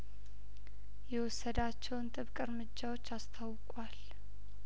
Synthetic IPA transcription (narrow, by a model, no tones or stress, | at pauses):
jɛwɔsːəd̪at͡ʃːɛwnt̪ʼɨβkʼɨɾmɨd͡ʒːawo̞t͡ʃːast̪ʰawkʼwal